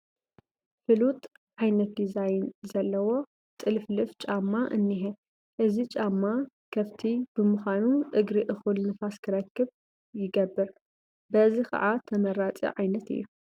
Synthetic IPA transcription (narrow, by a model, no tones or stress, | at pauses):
fɨlut̪ʼ | ʕajnɐt̪̚d̪izajnzɐlːɐwo̞ | t̪ʼɨlflɨft͡ʃʼamːaʔɨnːiɦɛ | ʔɨzit͡ʃʼamːa | kʰɐβt̪ʰib̥ɨmɨxʷanuʔɨɡɾiʔɨxɨlnɨfaskʰɨɾɐkːɨβ | jɪɡɐbːɨɾ | bɐzixʰɐ̰ʕat̪ʰɐmɐɾat͡sʼḭʕajnɐt̪ɨ̰jːu